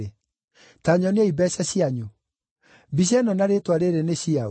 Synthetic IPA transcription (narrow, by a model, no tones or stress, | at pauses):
e | taɲɔneɛibɛɕaɕiaɲu | biɕ̬ɛnɔnaɾetwaɾeɾeneɕiao